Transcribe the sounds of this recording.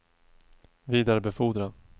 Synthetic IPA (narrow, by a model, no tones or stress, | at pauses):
viːd̪aɾəbɛfuːd̪ɾa